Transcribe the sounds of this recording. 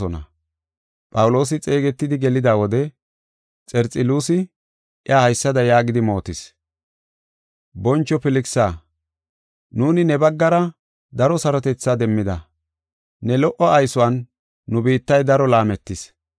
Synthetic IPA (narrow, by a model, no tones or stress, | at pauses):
ɔnɐ̰ | pʼɐwʊlo̞ːs̬ɪt͡sʼe̞ːɡɛt̪ːɪd̪ɪɡɛlɪd̪aːwɔd̪ɛ | t͡sʼɛɾt͡sʼɪluːsɪ | ʔɪaːhɐjsːɐd̪ɐjaːɡɪd̪ɪmo̞ːt̪ɪs | bɔnt͡ʃːɔpɪlɪksaː | nuːnɪnɛbɐɡːɐɾɐ | d̪ɐɾɔsɐɾɔt̪ɛt͡sːad̪ɛmːɪd̪ɐ | nɛlɔʔɔʔɐjsɔwɐnː | ʊbiːt̪ːɐjd̪ɐɾɔlaːmɛt̪ːɪs